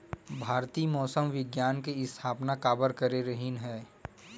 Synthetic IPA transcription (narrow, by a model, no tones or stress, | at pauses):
bʱaːɾt̪iːmɔːsəmʋɪɡjaːnkeɪst̪ʰaːpnakaːbəɾkəɾeɾəɦinɦɛː